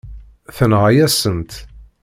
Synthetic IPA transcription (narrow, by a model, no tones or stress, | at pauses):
θənʁajæsənt̪